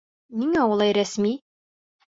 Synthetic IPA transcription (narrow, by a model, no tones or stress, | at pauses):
niŋæulˠɑjɾæsmi